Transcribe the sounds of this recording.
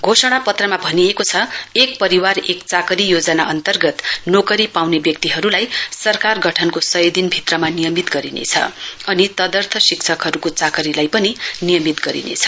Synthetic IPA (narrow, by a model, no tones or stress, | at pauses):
ɡʱosʌɽ̃apʌt̪rʌmabʱʌniekot͡sʰʌek̚pʌɾiwarekt͡sakʌɾijod͡zʌnaʔʌnt̪ʌrɡʌt̪nokʌɾipawnebjʌk̚t̪iɦʌɾulajsʌrkarɡʌʈʰʌnkosʌjd̪inbʱit̪rʌmanijʌmit̪ɡʌɾinḛt͡sʰʌ̰ʌnit̪ʌd̪ʌrt̪ʰʌsiksʰʌkɦʌɾukot͡sakʌɾilajpʌninijʌmit̪ɡʌɾḭnḛt͡sʰʌ̥